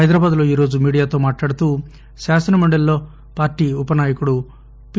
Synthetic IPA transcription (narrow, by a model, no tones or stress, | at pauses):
ɐjd̪ɾaːbaːd̪lo̞ːiːɾoːd͡ʒumiːɽijaːt̪o̞ːmaːʈlaːɽut̪uː | ʃaːsɐnɐmɐɳɖɐllo̞ː | paːɾʈiːupɐnaːjɐkuɽu | p